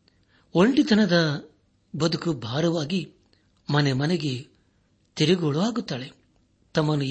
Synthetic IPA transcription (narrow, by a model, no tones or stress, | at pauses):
o̞ɳʈit̪ʰɐnɐd̪ɐ | bɐd̪ukubʱaːɾɐʋaːɡi | mɐnemɐneɡe | t̪iɾiɡoːɭuʋaːɡut̪ːaːɭe | t̪ɐmːɐnːu